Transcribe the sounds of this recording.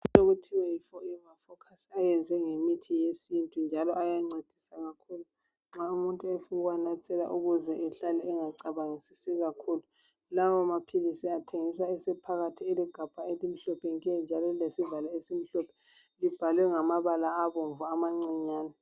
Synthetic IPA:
uoɣutʰiwɛjifɔiŋafɔkʰasiajɛnd͡zʱwɛŋemitʰijesintʼund͡ʒʱalɔʔajaŋ͡ǀed̥ʱisaɣakʰuːlu | ŋ͡ǁaumuntʼuefuɣwanat͡sʼɛla̰ʔuɣuzɛʔɛɬalɛːŋaǀaβaŋesisiɣakʰulu | lawɔmapʰilisiatʰeŋiswaɛsɛpʰaɣatʰiɛliɡ̥ʱab̥ʱaelim̩ɬɔpʰɛŋk̬ʼɛnd͡ʒʱalɔilesivalaesim̩ɬɔpʰɛ | lib̥ʱalwɛŋamaβalaːβoɱvuamaŋ͡ǀiɲaːnɛ

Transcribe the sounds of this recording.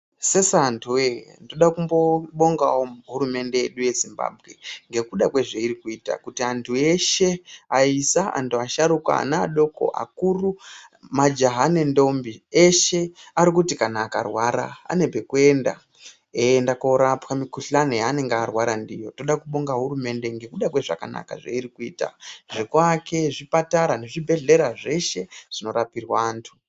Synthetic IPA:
sesantʰuwendoɗakumbo̞ɓo̞ŋɡawoɦuɾume̞nde̞jeɗuje̞zimba̰ːbʱɣe̞̰ŋɡe̞kuɗakweʐeiɾikuiːta̰kutiantʰue̞ʃe̞aisaʔa̰ntuaʃaɾukwa̰a̰naa̰ɗo̞ko̞̰ʔa̰kuru | mad͡ʒaɦanendo̞mbieʃe̞aɾikutikanaːka̰rwaɾa̰ːne̞bʱekue̞nda̰ | endakoɾapwamikuɬanejaane̞ŋɡearwaɾandijo̞to̞ɗakuɓoŋɡaɦuɾume̞nde̞ŋɡe̞kuɗakwe̞ʐa̰ka̰na̰ka̰ʐa̰iɾikuiːta̰ʐikwake̞ʐipataɾane̞ʐibʱe̞ɮe̞ɾaʐe̞ʃe̞ʐ̥ino̞ɾapirwaːntʰu̥

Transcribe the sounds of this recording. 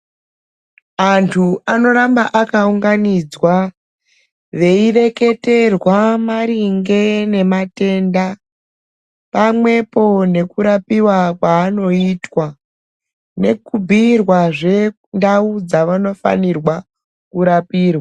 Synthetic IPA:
antʰuano̞ɾambaʔakauŋɡanid͡zwa | ʋe̞ire̞ke̞te̞rwamaɾiŋɡe̞ne̞mate̞nda | pamwe̞po̞ne̞kuɾapiwakwaːno̞itwa | ne̞kubʱirwaʐe | ndaud͡zaʋano̞fa̰nirwa | kuɾapiːrwaa

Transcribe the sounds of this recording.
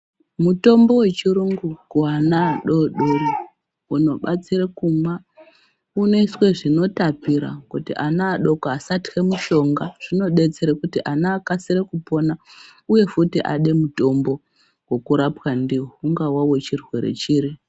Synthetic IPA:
muto̞mbo̞we̞t͡ʃiɾuŋɡukuanaːɗo̞ɗoɾi | uno̞ɓat͡siɾekuma | une̞iswe̞ʐino̞tapiɾa̰kutḭʔanaːɗo̞koasati̥xemuʃo̞ŋɡaʐ̥ino̞ɗe̞t͡seɾekutiʔanaːkasiɾekupo̞nauje̞futiʔa̰ɗe̞muto̞mbo̞ | wo̞kuɾapwandiwouŋɡawawe̞t͡ʃirwe̞ɾe̞̰t͡ʃiːɾi

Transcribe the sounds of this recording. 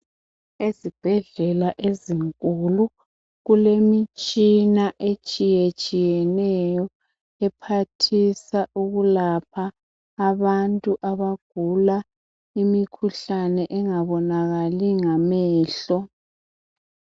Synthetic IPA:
ezib̥ʱɛɮɛlaʔeziŋkʼulu | ɣulemit͡ʃʼinaʔet͡ʃʼijet͡ʃʼijɛnɛjɔ | ɛpʰatʰisaʔuɣulap̚ʰaː | βantʼuʔaβaɡ̥ʱula | imikʰuɬanɛʔɛŋaβɔnaɣaliŋamɛːɬɔ

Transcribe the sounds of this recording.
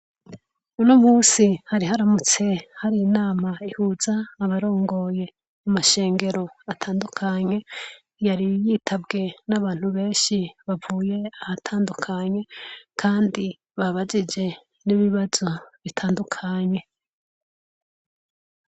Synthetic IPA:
unomuːsihaɾihaɾamut͡se̞haɾijinaːmaihuːzaːβaɾo̞ːŋɡo̞je̞ | amaʃe̞ːŋɡe̞ɾo̞atʰaːndukʰaɲe̞ | jaɾijiːtʰabɡe̞naβaːn̥huβe̞ːnʃiβavuːje̞ahatʰaːndukʰaɲe̞kʰaːndi | βaβad͡ʒid͡ʒe̞ | niβiβazo̞βitʰaːndukʰaɲe̞

